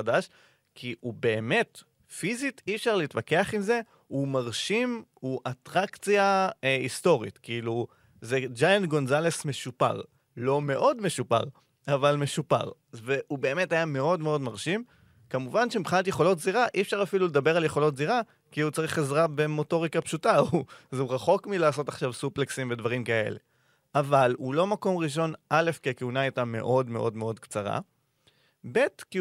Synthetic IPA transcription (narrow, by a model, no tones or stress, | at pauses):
adaʃ | kʰiʔube̞ːme̞t | fizitifʃaʁleiːtvake̞aχimze̞ | umaʁʃimuʔatʁakt͡sjaeisto̞ʁḭtkiilu | zed͡ʒajantɡo̞nzale̞sme̞ʃupa̰ʁ | lo̞me̞ʔo̞dme̞ʃupa̰ʁ | avalme̞ʃupa̰ʁ | ve̞ʔube̞ːme̞tajame̞o̞dme̞o̞dmaʁʃim | kamuvanʃemibχinatje̞χo̞lo̞tziʁaʔiefʃaʁafilule̞d̪abe̞ʁaljeχo̞lo̞tziʁa | kiut͡saʁiχezʁabe̞mo̞to̞ʁikapʃutauzuʁaχo̞kmilaːso̞taχʃavsupleksimve̞dvaʁimkae̞̰le̞̰ | ʔavalulo̞mako̞mʁiʃ̬o̞nʔale̞fkeakeunaajtame̞̰ʔo̞dme̞ʔo̞dme̞o̞dkt͡saʁa̰ | be̞tki